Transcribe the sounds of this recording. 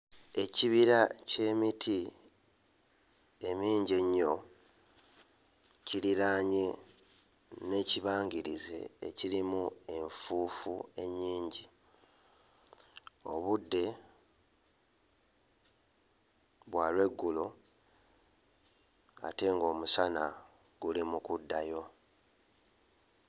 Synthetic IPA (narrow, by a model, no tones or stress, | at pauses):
e̞ciβiɾace̞ːmitʰi | emiːɲɟeɲːo̞ | ciliɾaːɲe | ne̞ciβaːŋɡiɾize̞̰ːciɾimue̞ɱfuːfṵe̞ɲːiːɲɟi | o̞̰βudːe̞ | βwaːlwe̞ɡːulo | a̰te̞ŋɡo̞ːmusana | ɡ̥ulimukudːajo̞